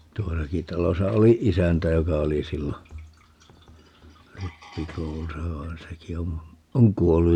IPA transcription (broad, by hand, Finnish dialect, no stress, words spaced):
tuosɑki tɑlosɑ oli isæntæ jokɑ oli silːo ripːikoulusɑ ʋɑen seki om oŋ kuolːuj